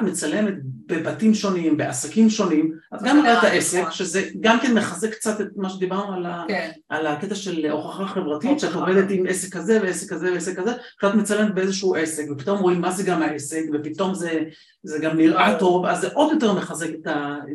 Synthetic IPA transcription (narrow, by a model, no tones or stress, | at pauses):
tmet͡sale̞met̪̚be̞batimʃo̞nimbe̞asakimʃo̞nimʔatɡamidat̪aʔesekʃezeɡamke̞nmeχaze̞kkt͡sat̪et̚maʃed̪ibaʁnualaʔalaket̪aʃe̞lʔo̞χaχaχe̞vʁatitʃeat̪oved̪et̪imʔesekːazeveesekazeveesekːazeat̪met͡sale̞met̪̚beezeʃuuʔe̞se̞kvepi̥t̪o̞mʁoimːazeɡamaʔesekvepit̪o̞mze | zeɡamnilʔato̞vazːeʔo̞d̪jo̞te̞ʁmeχaze̞ket̪a